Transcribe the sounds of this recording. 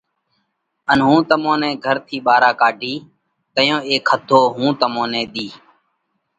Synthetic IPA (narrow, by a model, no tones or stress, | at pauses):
ənɦũːt̪əmõːnɛ̃ːɡʱəɾt̪ʰiːɓaːɾaːkaːɖʱiː | t̪əjõːeːkʰhəd̪ʱoːɦũːt̪əmõːnɛ̃ːɗ̪iː